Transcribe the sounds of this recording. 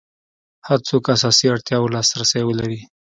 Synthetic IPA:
haɾt͡sokasɑsiaɽt̪jɑwlɑsɾasajwəlaɾi

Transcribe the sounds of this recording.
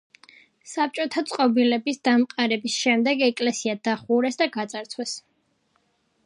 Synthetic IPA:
sap̚t͡ʃʼɔt̪ʰat̪sʼqʼɔbilɛbisd̪̥amqʼaɾɛbisʃɛmd̪ɛɡɛkʼlɛsiad̪aχuɾɛsd̪aɡat̪sʼaɾt̪sʰwɛs

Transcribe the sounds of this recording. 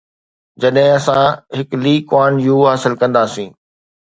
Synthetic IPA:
d͡ʑɐɗɦɪ̃ɐsãɦɪkliːkwaːnjuːɦaːsɪlkɐ̃nd̪aːsĩː

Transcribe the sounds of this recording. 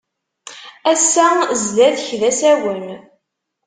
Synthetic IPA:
æsːæzlæðçðæsæwən

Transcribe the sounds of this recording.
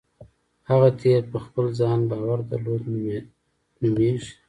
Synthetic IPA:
haɣat̪ʰeɾpəxpəlzɑnbɑwaɾd̪a̰ɾlod̪ | nʊmeʒi

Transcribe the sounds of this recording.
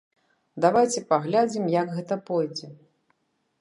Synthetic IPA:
d̪avajt͡sʲɛpaɣlʲad͡zʲimjɐɡɣɛt̪ɐpɔjd͡zʲɛ

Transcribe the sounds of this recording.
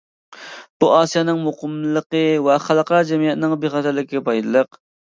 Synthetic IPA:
b̥uʔɑːsijɑnɨŋmoqəmlˠəqəwɛχælˠəqɑɾd͡ʒɛmijɛt̪nɪŋbeχɑt̪ʰæɾlɪkʲʰiɡʲɛpʰɑjd̪ɨlˠəq

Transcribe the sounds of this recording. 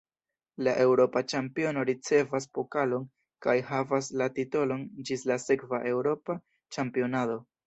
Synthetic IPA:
laʔe̞wɾo̞pat͡ʃampio̞no̞ɾit͡se̞vas̬po̞kalo̞n | kajhavaslatito̞lo̞nd͡ʒislase̞kvaʔe̞wɾo̞pa | t͡ʃampio̞nado̞

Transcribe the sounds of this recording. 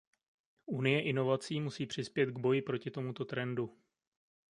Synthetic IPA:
ʔunɪjɛʔɪno̞vat͡siːmusiːpr̝̥ɪspjɛt̪ɡbo̞jɪpɾo̞cɪt̪o̞mut̪o̞t̪ɾɛndu

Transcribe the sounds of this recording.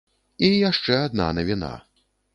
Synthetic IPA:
ijaʂt͡ʂɛad̪̚na̰nɐvʲina̰

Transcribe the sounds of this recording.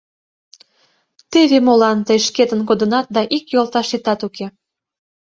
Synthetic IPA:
t̪eβemolɑnt̪əjʃket̪ənk̬od̪ənɑt̪̚d̪ɑʔikjolt̪ɑʃit̪ɑt̪uke

